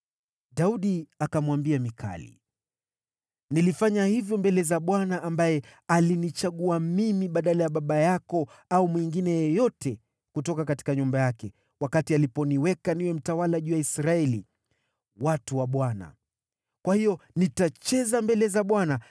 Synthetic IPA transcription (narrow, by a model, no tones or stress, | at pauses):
ɗauɗiakamwambiamikʰa̰lḭ | nilifaɲahivjɔmbɛlɛzaɓwanaʔːmbajɛalinit͡ʃaɠuamimiɓaɗalajaɓaɓajakɔ | aumwiŋɡinɛjɛjɔtʰɛ | kutɔkakati̥kaɲumbajakɛ | wakatialipɔniwɛkaniwɛm̩tawalaʄujaisɾaɛli | watuwaɓwana̰ | kwahijɔnitat͡ʃɛzambɛlɛzaɓwana